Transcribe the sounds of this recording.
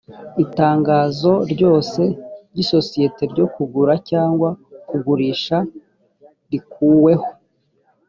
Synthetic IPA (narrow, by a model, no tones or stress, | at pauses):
itaːŋɡaːzo̞ɾɟo̞ːse̞ɾɟiso̞sije̞te̞ɾɟo̞kuɡuɾacaːŋɡwakuɡuɾiʃa | ɾikuːwe̞ho̞